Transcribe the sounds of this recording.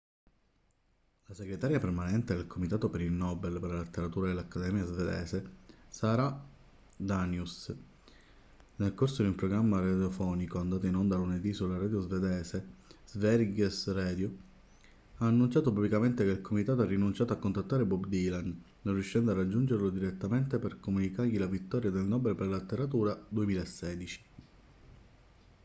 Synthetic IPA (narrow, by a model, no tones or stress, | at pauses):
laseɡɾet̪aːɾjapermanɛnt̪ed̪elkʰomit̪aːt̪opeɾilnːɔːbelpeɾlalet̪ːeɾat̪uːɾad̪elːakːad̪ɛːmjazved̪ɛ̰ːsesaːɾa | d̪anjus | nelkorsod̪iumpɾoɡɾamːarad̪jofɔːnikoand̪aːt̪oinond̪aluned̪isulaɾad̪jozved̪ɛːsezvɛɾɡesrɛːd̪jo | aːnːunt͡ʃaːt̪opublikament̪ekeilkʰomit̪aːt̪oɛrːinunt͡ʃaːt̪oakːont̪at̪ːaːɾebɔbd̪ilanː | onrjuʃːɛnd̪oarːad͡ʒːund͡ʒerlod̪iɾet̪ːament̪eperkomunikarʎilavit̪ːɔːɾjad̪elnɔːbelperlaet̪ːeɾat̪uːɾad̪uemiːlaesːɛːd̪it͡ʃi̥